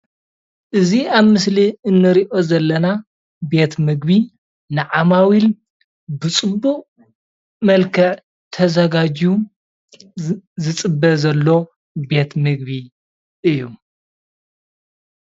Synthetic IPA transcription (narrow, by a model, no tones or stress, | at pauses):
ʔɨziaβmɨsliɨnːɨɾiʔo̞zɐlːɐna | be̞t̪mɨɡbi | nɨʕamawil | bɨt͡sʼɨbːuqʼ | mɐlkʰɐʕ | t̪ʰɐzɐɡad͡ʒiu | zɨt͡sʼɨbːɐzɐlːo̞ | be̞t̪mɨɡβi | ʔɨjːu